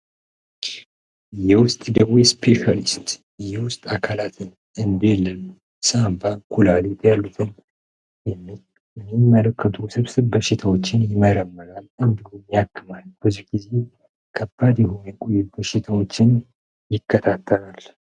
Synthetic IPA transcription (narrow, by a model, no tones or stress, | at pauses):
jɛwʊst̪ʼd̪əwespʰeʃalist̪ʼ | jɛwʊst̪ʼakʰalat̪ʰɨn | ɨnd̪ɛlːən | sambakʰulalet̪ʰʼjalːut̪ʰɨn | jɛmː | jɛmːimːələkːət̪ʰusɨβsɨβbəʃɪt̪ʰawot͡ʃːɪnjɪməɾəmːəɾalɨnd̪ilunjakʰːɨmalb̥əzihɡ̥ize̞ | kʰəbːad̪jɛhonjɛkʼojut̪bəʃɪt̪ʰawo̞t͡ʃːɪn | jɪkːət̪ʰat̪ʰːəlal